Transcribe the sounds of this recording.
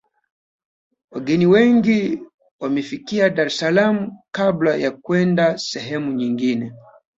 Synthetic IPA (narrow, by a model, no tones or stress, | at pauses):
waɡɛniwɛŋɡi | wamɛfikiaɗaɾɛsalamukablajakwɛndasɛɦɛmuɲiŋɡinɛ